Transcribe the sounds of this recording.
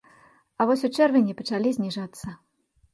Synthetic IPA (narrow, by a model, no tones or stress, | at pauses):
ɐvɔsʲut͡ʂɛrvʲɪnʲipɐt͡ʂalʲizʲnʲiʐat̪sːɐ